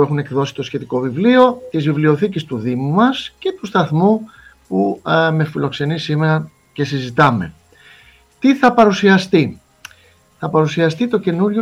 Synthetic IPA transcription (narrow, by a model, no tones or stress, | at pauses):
e̞xune̞kðo̞si̥t̪o̞sçe̞t̪iko̞vivlio̞t̪izvivlio̞θicist̪uðimumɐsce̞t̪ust̪ɐθmu | pume̞filo̞kse̞nisime̞ɾɐ | ce̞sizit̪ɐme̞̰ | t̪iθɐpɐɾusiɐst̪i | θɐpɐɾusiɐst̪it̪o̞ce̞nuɾʝo